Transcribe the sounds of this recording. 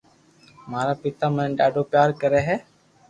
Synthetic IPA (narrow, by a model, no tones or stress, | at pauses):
maːɾaːpɪt̪aːmə̃ɖaːɖoːpjaːɾkəɾɛːɦɛː